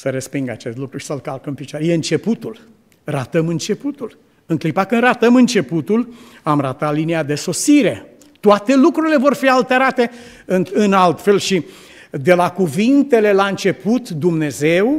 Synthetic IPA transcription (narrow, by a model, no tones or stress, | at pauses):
səɾespiŋɡa̰t͡ʃe̞st̪lukɾuʃi̥səlkalkəmpit͡ʃoaɾejeɨnt͡ʃe̞put̪ul | rat̪əmɨnt͡ʃe̞put̪ul | ɨŋklipakɨnrat̪əmɨnt͡ʃe̞put̪ul | amrat̪at̪liniad̪e̞so̞siɾe̞ | t̪oat̪e̞lukɾuɾile̞vo̞rfialt̪e̞ɾat̪e̞ | ɨnɨnalt̪fe̞lʃi | d̪e̞lakuvint̪e̞le̞laɨnt͡ʃe̞put̪d̪umne̞ze̞w